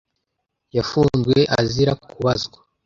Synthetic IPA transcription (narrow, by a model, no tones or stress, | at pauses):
jafuːnzɡwe̞ʔaziɾakukuβazɡwa